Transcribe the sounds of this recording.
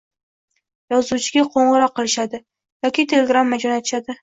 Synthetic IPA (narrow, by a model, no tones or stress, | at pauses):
jɒzut͡ʃʰɪɡʲaqʰoɴʁɨɾɒqːɨlɪʃad̪ɪ | jɒkʲit̪ʰelʲeɡɾamːad͡ʒɒnat̪ʰɪʃad̪ɪ